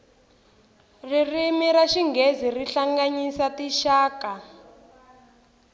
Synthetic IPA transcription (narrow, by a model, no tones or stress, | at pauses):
ririmiɾaʃiŋɡeziriɬaŋɡaɲisatiʃaːka